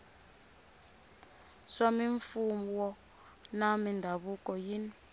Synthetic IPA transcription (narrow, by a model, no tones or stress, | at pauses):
samiɱfumuwɔ | namindʱaβukʼɔjin